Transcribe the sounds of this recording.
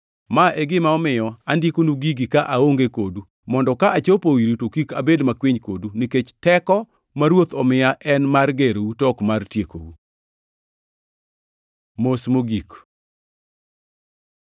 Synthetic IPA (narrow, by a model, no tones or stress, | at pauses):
maʔeɡɪmaɔmɪjɔandikonuɡiɡikaʔaoŋɡekodu | mɔndɔkaʔat͡ʃopowiɾitokikabedmakwiɲkoduniket͡ʃtɛkɔ | maɾwot̪ɔmɪaʔɛnmarɡeɾutɔkmartjeko̰wṵ | mosmoɡik